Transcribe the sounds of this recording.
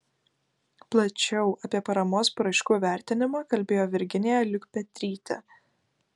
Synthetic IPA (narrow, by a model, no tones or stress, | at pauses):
plˠɐt͡ʃʲɛʊʔɐpʲiɛpɐɾɐmoːspːɾɐɪʃkuːʋʲæˑɾʲt̪ʲɪnʲɪmɑːkɐlʲbʲeːjoːʋʲɪɾʲɡʲɪnʲeːjɛlʲʊkpʲɛt̪ʲɾʲiːt̪ʲɛ̰